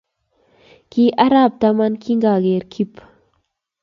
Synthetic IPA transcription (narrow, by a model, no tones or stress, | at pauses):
kiʔɐɾaːb̚t̪amɐnkʰiŋɡaːɡeːɾkʰip